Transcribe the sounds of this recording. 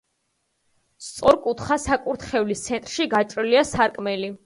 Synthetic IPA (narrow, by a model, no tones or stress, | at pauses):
st̪sʼɔɾkʼut̪χasakʼuɾt̪χɛvlist̪sʰɛnt̪ʼɾʃiɡat͡ʃʼɾiliasaɾkʼmɛli